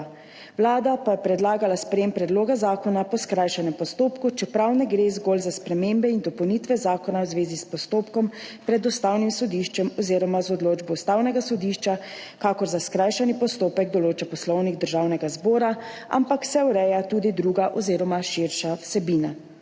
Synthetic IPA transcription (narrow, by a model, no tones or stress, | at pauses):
wlaːd̪apajɛpɾɛd̪laːɡalaspɾɛjeːmpɾɛd̪loːɡazaːkɔnapɔskɾaːjʃanɛmpɔst̪oːpkut͡ʃɛpɾawnɛɡɾeːzɡolzaspɾɛmembɛind̪ɔpɔwnit̪ʋɛzaːkɔnawzʋeːzispɔst̪oːpkɔmpɾɛd̪ɔst̪awnimsɔd̪iːʃt͡ʃɛmɔzeːɾɔmazɔd̪loːd͡ʒbɔust̪awnɛɡasɔd̪iʃt͡ʃakaːkɔɾzaskɾajʃanipɔst̪oːpɛɡd̪ɔloːt͡ʃapɔslɔwniɡd̪əɾʒawnɛɡazboːɾaa̰mpaksɛuɾɛjat̪ud̪id̪ɾuːɡaʔɔzeːɾɔmaʃiɾʃawsɛbiːna